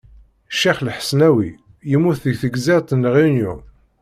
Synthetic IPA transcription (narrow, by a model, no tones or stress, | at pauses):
ʃːiχlħə̥snæwi | jəmuθðəθəɡzæɾt̪ˤənːʁinjṵ